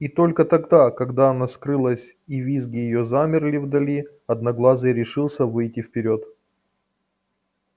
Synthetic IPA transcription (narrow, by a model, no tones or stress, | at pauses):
it̪o̞lʲkət̪ɐɡd̪akɐɡd̪aɐnaskɾɨlˠəsʲ | ivʲizɡʲɪjɪjo̞zamʲɪrlʲɪvd̪ɐlʲi | ɐd̪nɐɡlˠazɨɾʲɪʂɨlˠsʲəvɨjtʲɪfpʲɪɾʲot̪